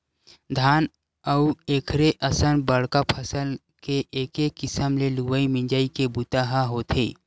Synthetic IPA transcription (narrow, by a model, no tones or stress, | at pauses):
d̪ʱaːn | əueːkʰɾeʔəsənbəɽ̤kapʰɐsəl | keʔeːkekːɪsəmleluwəimɪ̃ɲd͡ʒaːikebut̪aːɦaɦoːt̪ʰḛː